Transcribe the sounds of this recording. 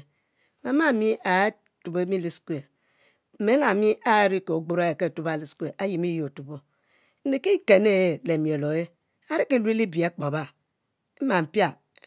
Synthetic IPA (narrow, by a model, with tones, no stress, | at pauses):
ma˨ma˦˨mi˦ʔa˨˦ | tu˨be˦mi˦li˦skʷe˨ | m̩˨me˨˦na˨mi˦ʔa˨˦ɾi˦ko˨o˨ɡ͡bo˦ɾa˦e˨ke˦˨tu˦ba˨li˦skʷe˨ʔa˦ji˨mi˦jo˨tu˨bo˦ | ne˨ke˦i˦ke˨ne˦le˨mjo˨lo˨e˦ | a˦ɾi˦ke˨li˦li˦bi˨e˨˦k͡po˨ba˦ | e˦ma˨m̩˨pja˦